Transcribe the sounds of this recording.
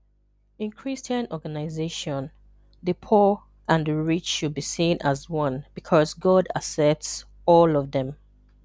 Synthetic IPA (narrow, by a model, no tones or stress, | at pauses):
ĩnkʰɹ̥istə̃nɔɡanaɪzeʃɔ̃n | ðəpʰɔ | ʔãnðəɹit͡ʃʃud̚bisĩnazwʌ̃nb̥ikʰɔzɡɔda̰sɛp̚ts | ɔlɔvðɛ̃m